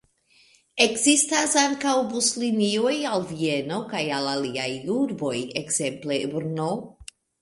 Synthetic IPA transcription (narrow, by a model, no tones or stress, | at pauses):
e̞kzistasaŋkawbuslinio̞jalvie̞no̞kajalaliajuɾbo̞jekz̥e̞mple̞bɾno